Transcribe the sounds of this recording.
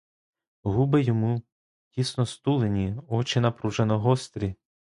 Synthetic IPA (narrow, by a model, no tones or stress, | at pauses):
ɦubɪjɔmu | dʲisnɔst̪ulˠenʲiɔt͡ʃɪnɐpɾuʒenɔɦɔst̪ɾʲi